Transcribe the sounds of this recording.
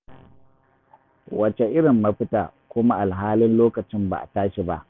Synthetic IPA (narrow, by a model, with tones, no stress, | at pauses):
wɐ˨t͡ʃe˨ʔɪ˦ɽɪ˨mːɐ˦ɸɪ˦taː˨kʷʊ˦ma˦ʔa˨lɦaː˦lɪ˦nloː˦kɐ˨t͡ʃɪ˦mba̰˨ʔa̰˨taː˦ʃi˨ba˦ʔ